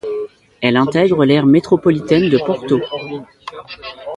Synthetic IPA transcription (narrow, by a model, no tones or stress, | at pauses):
ɛlɛ̃t̪ɛɡʁəlɛʁmet̪χɔpɔlit̪ɛnd̪əpɔʁt̪o